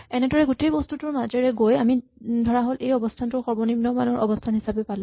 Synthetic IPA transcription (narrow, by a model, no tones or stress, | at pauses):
ɛnɛdɔɹɛɡutejbɔstutʊɹmazeɹɛɡojamidʱɔɹaɦolʔejɔbɔstʰantʊɹxɔɹbɔnimnɔmanɔɹʔɔ̰bɔstʰanɦisabɛpalʊ̃